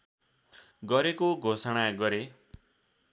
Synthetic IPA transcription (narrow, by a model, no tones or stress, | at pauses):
ɡʌɾekoɡʱosʌɽ̃aɡʌɾe